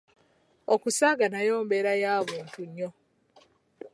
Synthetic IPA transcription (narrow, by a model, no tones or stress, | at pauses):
okusaːɡanajo̞ːmbe̞ɾajaːβuːntuɲːo